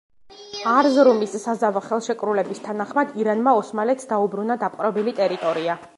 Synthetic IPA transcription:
aɾzɾumisːazavaχɛlˠʃɛkʼɾulɛbist̪ʰanaχmad̪iɾanmaɔsmalɛt̪sd̪aubɾunad̪apʼqʼɾɔbilit̪ʼɛɾit̪ʼɔɾia

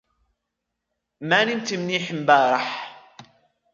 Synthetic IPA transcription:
mænimt̪əmniħəmbæɾˤɑħ

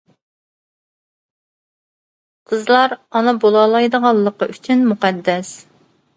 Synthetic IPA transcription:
qʰəzlˠɑɾɑnɨbolˠɑːlˠɑjd̪əʁɑlˠːəqɑʔyt͡ʃʰynmuqæd̪ːɛs

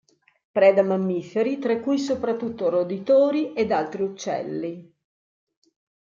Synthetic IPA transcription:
pɾɛːd̪amamːifeɾit̪ɾakːujs̬opɾat̪ːut̪ːoɾod̪it̪oːɾiʔed̪alt̪ɾiut͡ʃːɛ̰lːi

